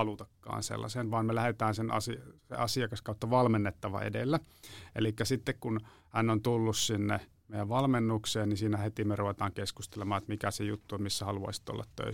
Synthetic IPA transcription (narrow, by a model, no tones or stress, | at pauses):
ɑlut̪ɑkːɑ̰ːnsḛlːɑ̰senʋɑːmmelæhet̪æːnsenɑ̰sisḛʔɑsiɑkɑskɑut̪ːɑʋɑlmenːet̪ːɑʋɑ̰ḛdḛlːæʔḛlikːæsit̪ːekkun | hænːont̪ulːussinːe | mejæʋʋɑlmenːukseːnnisiːnæhet̪imeruʋet̪ɑːŋkeskust̪elemɑːet̪mikæsejut̪ːumisːæhɑluɑ̰isi̥t̪o̰lːɑ̰t̪tø̰i